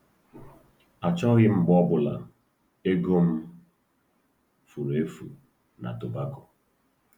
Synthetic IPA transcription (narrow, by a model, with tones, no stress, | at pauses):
a˨t͡ʃɔ˦ɣɪ˦m̩˦ɡ͡bɔ˦bʊ˨la̰˨ | e˦ɡo˦m̩˦ | fu˨ɾe˨˦fṵ˨ | na̰˨to˨ba˦kʊ˨